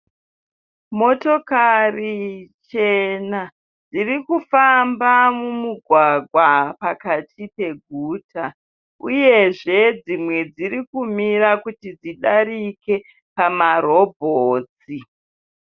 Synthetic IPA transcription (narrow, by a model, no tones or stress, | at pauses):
mo̞to̞karit͡ʃe̞na | d͡zirikufambamumuɡʱwaɡʱwapakatʰipe̞ɡʱuːtʰa | ṵje̞ʐe̞d͡zimwe̞d͡zirikumiɾakutid͡ziɗaɾike̞ | pamaɾo̞bʱoːt͡si